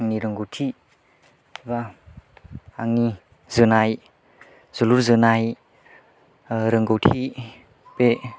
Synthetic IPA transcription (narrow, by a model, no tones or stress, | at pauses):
ŋniɾəŋɡowtʰi | ba | aŋni | zɯnaj | zɔluɾzɯnaj | ɾəŋɡowtʰi | pe